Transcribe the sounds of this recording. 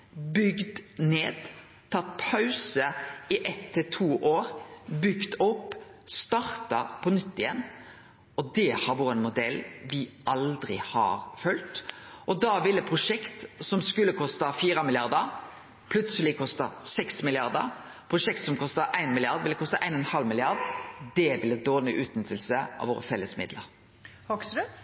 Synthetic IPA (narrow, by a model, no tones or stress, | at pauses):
bʏɡd̪neːd̪ | t̪ʰɑt̪ːpʰɑʉsəɪʔɛt̪ʰːɪt̪ʰuːʔoːɾbʏɡt̪ɔpː | st̪ɑɾt̪ɑpʰɔnʏt̪ːɪjɛnː | ɔd̪ɛhɑɾʋʊɾənmʊd̪ɛlːʋɪʔɑld̪ɾɪhɑ̰ɾfœlt̪ʔɔd̪ɑʋɪlːəpʰɾʊʂɛkt̪sɔmskʉlːəkʰɔst̪ɑfiːɾəmɪlɪjɑʁd̪əɾ | pʰlʉt̪səlɪkʰɔst̪ɑsɛksmɪlɪɑʁd̪ə̰ɾ | pʰɾʊʂɛk̚t̪sɔmkʰɔst̪ɑʔæɪnmɪlɪɑʁd̪ʋɪlːəkʰɔst̪əʔæɪnɔnhɑlmɪlɪɑɾd̪d̪ɛʋɪləd̪oːʁnɪ̰ʔʉːt̪nʏt̪əlsəɑ̰ʋoːɾəfɛlːəsmɪ̰d̪lə̰ɾ | hɔk